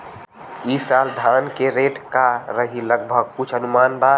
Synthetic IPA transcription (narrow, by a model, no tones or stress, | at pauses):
isald̪ʱankeɾeʈkaɾəɦiləɡbʱəɡ̚kʊt͡ʃʰənumaːnba